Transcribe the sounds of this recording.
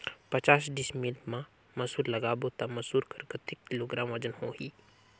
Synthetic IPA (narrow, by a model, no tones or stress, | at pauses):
pət͡ʃaːsɖismilmã | mɐsuːɾlɐɡaːbot̪amɐsuːɾkəɾkət̪ikːiloːɡɾaːmʋɐd͡ʒənhoːɦiː